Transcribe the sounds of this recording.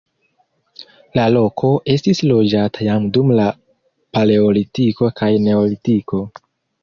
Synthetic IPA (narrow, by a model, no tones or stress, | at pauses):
lalo̞kʰo̞ʔe̞stislo̞d͡ʒatʰajamdumla | pale̞olitiko̞kʰajne̞olitiko̞